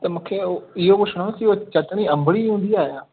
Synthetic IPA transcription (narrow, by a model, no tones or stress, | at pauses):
t̪ɐmũːkʰeoɪɦoboʃʊɽ̃ãkiot͡ɕɐt̪ɽ̃iɐ̃mbʱɽiɦũːnd̪iaːɦjaː